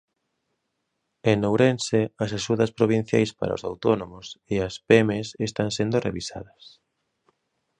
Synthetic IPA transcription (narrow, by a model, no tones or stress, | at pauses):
eŋnːowɾenseɐsaʃuðɐspɾoβ̞in̟θja̰jspa̰ɾa̰osa̰wt̪onomoseɐspemesest̪aŋsend̪orḛβisa̰ðɐs